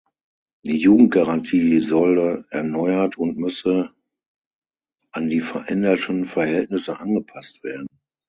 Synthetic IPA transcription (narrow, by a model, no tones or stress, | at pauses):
d̥iːjuːɡŋ̩t̚ɡ̥aʁantʰiːzɔləɛɐnɔʏɐtʰʊntmʏsə | ʔandiːfɛɐʔɛndɐtʰənfɛɐhɛltnɪsəʔanɡəpʰastv̥eːɐdn̩